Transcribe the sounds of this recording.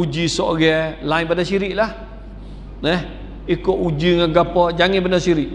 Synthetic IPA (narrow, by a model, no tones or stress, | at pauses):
ud͡ʒisɔʔɡɛlainbadasiɾiʔlah | nɛh | ikoʔud͡ʒiŋãɡapɔʔd͡ʒaŋibənasiɾiʔ